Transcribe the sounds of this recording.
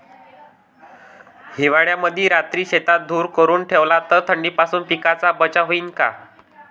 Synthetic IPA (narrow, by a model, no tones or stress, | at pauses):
hiʋaɭjaməd̪ʱiːɾat̪ɾiːɕet̪at̪̚d̪ʱuːɾkəɾuːnʈʰeʋlat̪əɾt̪ʰəɳɖiːpasuːnpikat͡sabət͡ɕaɦoiːnka̰